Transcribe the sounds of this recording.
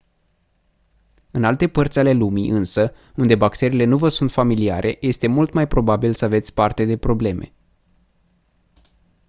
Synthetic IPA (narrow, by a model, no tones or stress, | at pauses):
ɨnalt̪e̞pərt̪sʲale̞lumiʔɨnsə | und̪e̞bakt̪e̞ɾiːle̞nuvəsunt̪familia̰ɾʔe̞je̞st̪e̞mult̪majpɾo̞babilsəave̞t̪sʲpart̪e̞d̪e̞pɾo̞ble̞mʔe̞̰